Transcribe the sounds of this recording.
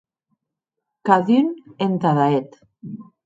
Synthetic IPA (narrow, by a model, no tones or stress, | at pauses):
kaðynent̪aðaet̪